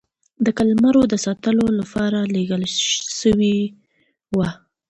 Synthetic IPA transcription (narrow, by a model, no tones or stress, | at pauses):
d̪əkalmaɾod̪əsɑt̪əlolapɑɾaleɡəlʃəwi | wa